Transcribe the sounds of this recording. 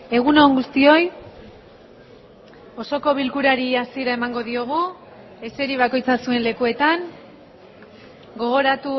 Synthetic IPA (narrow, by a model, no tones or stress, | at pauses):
e̞ɣ̞uno̞ŋɡust̪io̞j | o̞so̞ko̞βilkuɾaɾiasie̞ɾaemaŋɡo̞ðio̞ɣ̞u | e̞se̞ɾiβ̞ako̞jt͡sasue̞nle̞kue̞t̪aŋ | ɡo̞ɣ̞o̞ɾat̪u